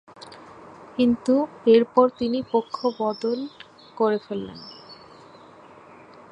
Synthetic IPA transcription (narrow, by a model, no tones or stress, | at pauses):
kint̪ueɾpɔɾt̪inipokʰːobɔd̪ol | koɾefelːḛn